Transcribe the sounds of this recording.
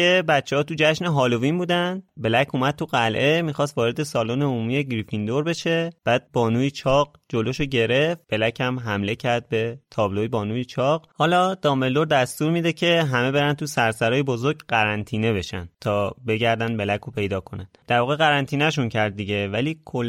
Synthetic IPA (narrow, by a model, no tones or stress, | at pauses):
e̞bæt̪t͡ʃːehɒːt̪ud͡ʒæʃneɦɒːlovinbuːd̪ænd̪be̞læcʰumæd̪̚t̪ʰuɣælʔe̞miːxɒːst̪vɒːɾe̞d̪e̞sɒːloːneumijeɟɾifind̪o̞ɾbe̞ʃe̞b̥æːd̪̥̚bɒːnuːjit͡ʃʰɒːɢ | d͡ʒo̞loʃoɟe̞ɾe̞fb̥e̞læcʰæmɦæmle̞cʰæɾd̪̚be̞t̪ʰɒːblo̞jebɒːnuːjit͡ʃʰɒɢhɒːlɒːd̪̥ɒːmeld̪o̞ɾd̪æst̪uːɾmid̪e̞cʰe̞ɦæme̞be̞ɾæn̚t̪ʰusæɾsæɾɒːjebo̞zoɾɡɢæɾænt̪ʰiːne̞be̞ʃæ̰nd̪̥t̪ʰɒːbe̞ɟæɾd̪ænd̪̚be̞lækʰopʰe̞jd̪ɒːkʰo̞næn̥d̪æɾvɒːɣeɣæɾænt̪ʰiːnæʃ̬uncʰæɾd̪̚ːiɟe̞væliːkʰol